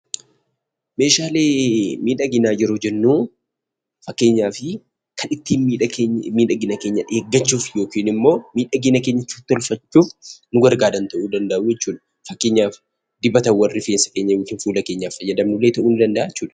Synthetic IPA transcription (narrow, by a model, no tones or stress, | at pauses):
me̞ːʃaːleːmiːᶑɐɡɪnaːjɛɾo̞ːd͡ʒɛnːuː | fɐkːe̞ːɲːaːfɪ | kʰɐnɪt̪ːiːnmiːᶑɐmiːᶑɐɡɪnɐke̞ːɲːɐᶑeːɡːɐt͡ʃːuːfjo̞ːkiːnɪmːo̞ːmiːᶑɐɡɪnɐke̞ːɲːɐt͡ʃːu̥t̪ːɔlfɐt͡ʃːuːfnʊɡɐɾɡaːd̪ɐnt̪ɐʔuːd̪ɐnd̪ɐʔʊjɛt͡ʃːuːᶑɐ̥ | fɐkːe̞ːɲːaːf | d̪ɪbɐt̪ɐwɐrːɪfeːnsɐ̥ke̞ːɲːɐjoːkiːnfuːlɐkeːɲːaːfːɐjːɐd̪ɐmnʊlːeːt̪ɐʔuːnɪd̪ɐnd̪ɐʔaːɛt͡ʃːuːᶑɐ̥